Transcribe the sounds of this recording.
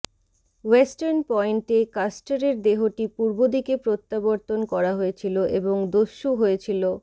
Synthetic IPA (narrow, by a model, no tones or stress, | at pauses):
wesʈaɾnpɔjɳʈekasʈaɾeɾd̪eɦoʈipuɾbod̪ikepɾot̪ːaboɾt̪onkɔɾaɦoet͡ɕʰiloʔeboŋd̪oʃːuɦoet͡ɕʰilo